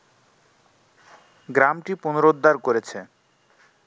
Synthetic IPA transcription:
ɡɾamʈiponoɾod̪ːaɾkoɾet͡ɕʰe

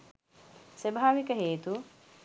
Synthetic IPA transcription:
sebʱaːʋikəɦeːt̪u

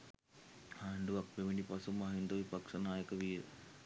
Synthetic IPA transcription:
haːɳɖuʋak̚beʋinipasumaɦind̪oʋipakʂənaːjəkəʋiːɾə̰

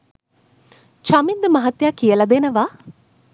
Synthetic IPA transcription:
t͡ʃɐmind̪əmɐɦɐt̪jaːkijəlɐd̪enəʋa

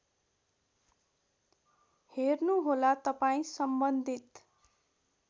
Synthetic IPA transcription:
hernuɦolat̪ʌpaĩsʌmbʌnd̪ʱit̪

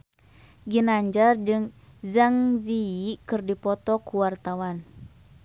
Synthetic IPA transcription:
ɡinaɲd͡ʒard͡ʒɨŋzaŋziikɨrdipɔt̪ɔkuwart̪awan

